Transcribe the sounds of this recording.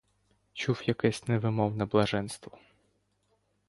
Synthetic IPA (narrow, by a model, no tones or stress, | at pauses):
t͡ʃuwjɐkɛsʲnɛʋɪmɔwnɐblˠɐʒɛnst̪ʋɔ